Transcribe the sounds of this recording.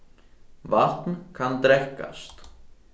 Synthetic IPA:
var̥t̪nkʰant̪ɾɛhka̰st̪

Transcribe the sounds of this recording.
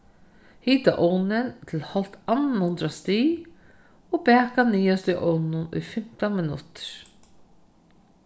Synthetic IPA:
hiːt̪a̰ʔɔwnɪnt̪ʰɪlhɔl̥t̪anːahʊnt̪ɾast̪iː | ɔbɛːkaniːast̪ʏʔɔwnnʊnṵjfɪm̥t̪amɪnʊ̰t̪ɪ̥ɾ̥

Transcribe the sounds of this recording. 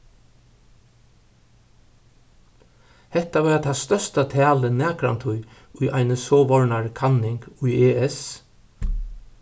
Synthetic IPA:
hɛht̪aʋaɾat̪ʰast̪œst̪at̪ʰɛːlənɛːkɾa̰nt̪ʰʊj | ʊjʔajnəsɔːʋɔɹnaɹkʰanːɪŋkʊjeːɛs

